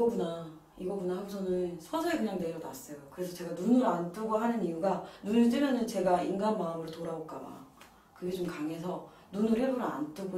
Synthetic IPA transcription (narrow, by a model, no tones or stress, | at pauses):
iʌkuna | iɡʌɡunahaɡot͡ɕʰʌnɯnsʰʌsʰʌekɯɲaŋde̞jʌnas͈ʌjokɯɾe̞sʰʌt͡ɕe̞ɡanunɯɾant͈ɯɡoɦanɯnijuɡanunɯɭt͈ɯɾjʌnɯnt͡ɕe̞ɡainɡanmaɯmɯɭtoɾaok͈aba̰ | kɯɡe̞t͡ɕomkaŋe̞sʰʌ | nunɯɾheɾuɾa̰nt͈ɯɡo